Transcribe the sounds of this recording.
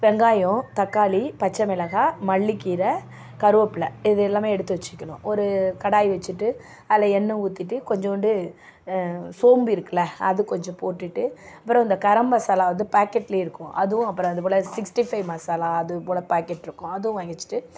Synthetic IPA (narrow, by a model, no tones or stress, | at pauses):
ʋɛŋɡaːjʊ̃t̪ɐkːaːlipɐt͡ʃːɐmɪlɐɣaːmɐɭːikːiːɾɐ | kɐɾɯʋɐpːɪlɐɪðlːaːmeːɛɽɯt̪ːɯʋɛt͡ʃːɪ̥kːɐɳʊ̰̃ʔɔɾɯkɐɽaːjiʋɛt͡ʃːɯʈːɯ | ɐlɐɛnːɐ̃uːt̪ːɪʈːɯkɔɲd͡ʒɔ̃ɔɳɖɯ | soːmbiɪɾɯkːɐlɐɐðɯkɔɲd͡ʒɔ̃poːʈːɪʈːɯɐpːɯɾɔ̃ɪnd̪ɐkɐɾɐmbasaːlaːʋɐnd̪ɯpaːkːɛʈːɪleːɪɾɯkːʊ̃ʔɐðɯʋʊ̃ɐpːɯɾɔ̃ɐðɯp̬oːlɐsɪksʈifɐɪʋmaːsaːlaːɐðɯpoːlɐpaːkɛʈːɪɾɯkːʊ̃ɐðɯʋʊ̃ʋɐŋɡɪt͡ʃːɯ̥ʈːɯ